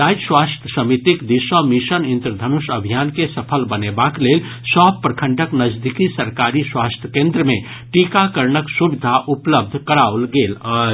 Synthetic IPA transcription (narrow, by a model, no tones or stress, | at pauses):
d̪ajd͡ʒswast̪ʰjəsəmit̪ikd̪isəmisənint̪ɾd̪ʱənusəbʱijankesəpʰəlbənebaklelsɔbpɾəkʰə̃ɳɖəknəd͡ʒd̪ikisəɾkaɾiswast̪ʰjə̥kẽnd̪ɾəme | ʈikakəɾɳəksubid̪ʱaʔupləb̚d̪ʱkəɾaulɡelə